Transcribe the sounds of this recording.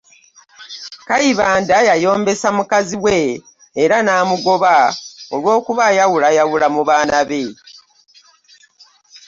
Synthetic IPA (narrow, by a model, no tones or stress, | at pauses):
kaiβaːndajajo̞ːmbe̞samukaziwe̞ː | ɾanaːmuɡo̞βao̞lwo̞ːkuβajawulajawulamuβaːnaβe̞